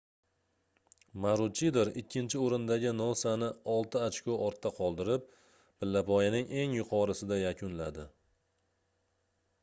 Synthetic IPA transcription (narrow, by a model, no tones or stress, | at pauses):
maɾʊt͡ʃʰid̪eɾɪkʲʰːɪnt͡ʃʰɪoɾɪnd̪aɡʲɪnosanɪɒlˠt̪ʰɪat͡ʃkʲoʔɒɾt̪ːaqʰɒlˠd̪ɪɾɪp̚ | bɪlːapʰɒjanɪŋʔe̞ŋjʊqʰɒɾɪsɪd̪ajakʲʰʊnlad̪ɪ